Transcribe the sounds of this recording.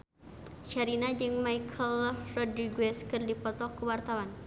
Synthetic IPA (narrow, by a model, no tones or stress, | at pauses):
t͡ʃaɾinad͡ʒɨŋmaikʰəlrɔdɾiɡwɛskɨrdipɔt̪ɔkəwart̪awan